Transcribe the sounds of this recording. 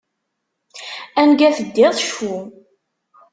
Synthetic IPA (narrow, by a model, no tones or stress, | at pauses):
ænɡæθəd̪ːɪðˤʃu